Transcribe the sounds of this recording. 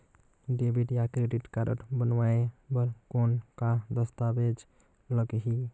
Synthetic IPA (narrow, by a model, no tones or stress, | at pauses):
ɖebiʈjakɾeɖiʈkaɾə̰ʈbənwaebəɾkonkad̪əst̪abed͡ʒ | ləɡɦi